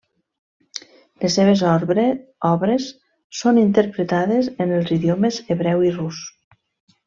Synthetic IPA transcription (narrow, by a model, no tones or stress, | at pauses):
lesːeβ̞ezɔɾ | ɔβɾesː | onint̪əɾpɾet̪aðezenelˠziðjomezeβɾɛwirus